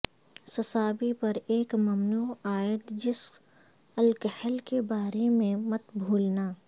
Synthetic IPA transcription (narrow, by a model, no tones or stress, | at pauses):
sɐsaːbipɐɾeːkmɐmnuːaːjət̪d͡ʒɪs | ɐlkəhəlkebaːɾemẽmɐt̪bʱuːlnaː